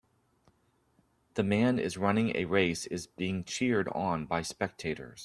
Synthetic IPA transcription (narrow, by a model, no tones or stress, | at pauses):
ðɨmæ̃nɪ̰zɹʌnɪ̃ŋɨ̰ɹeɪsɪzbiɪ̃ŋt͡ʃʰɪɹɾn̩baɪspɛk̚tʰeɪɾə̰˞z̥